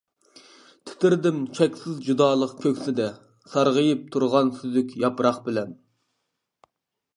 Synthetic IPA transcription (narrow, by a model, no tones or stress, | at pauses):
t̪ʰɪ̥t̪ɪɾd̪ɪmt͡ʃʰɛkʲsɪzd͡ʒud̪ɑːlˠəqkʲʰøkʲsɪd̪ɛ | sɑɾʁəjɨp̚t̪ʰuɾʁɑnsyzykʲjɑpɾɑχbɪlɛn